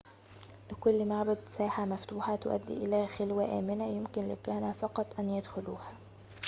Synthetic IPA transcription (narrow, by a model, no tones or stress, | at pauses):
lɪkʊlːmaʕbæd̪sæːħamæft̪uːħɑt̪ʊʔæ̰d̪ːḭːʔɪlæxelwæʔæ̰ːmɪnæjɪmkɪnlɪ̰kæːnæfɑqɑt̪ˤʔænjæd̪xʊluːhæ